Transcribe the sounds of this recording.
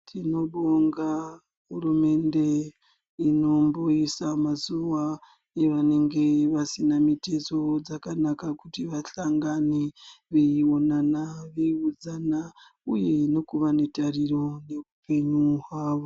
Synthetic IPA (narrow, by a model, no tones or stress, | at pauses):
tʰino̞ɓoŋɡa | ɦurume̞nde̞ | ino̞mboisamazuʋa | eʋane̞ŋɡe̞ʋasinamitezo̞d͡zakanakakutiʋaɬaŋɡaneʋeionanaʋeiud͡zana | uje̞no̞kuʋane̞tariɾo̞ne̞upe̞ɲuɦwaːʋo̞